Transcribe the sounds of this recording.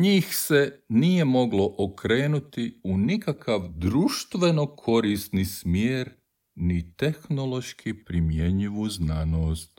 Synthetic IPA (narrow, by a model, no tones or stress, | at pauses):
ɲiːxse̞nije̞mo̞ɡlo̞ʔokɾe̞ːnut̪iunikakʰaʋd̪ɾuːʃt̪ʋe̞no̞kʰo̞ɾisnismjeːɾ | nit̪exno̞lˠo̞ʃkʰipɾimjeɲiʋuznaːnoːst̪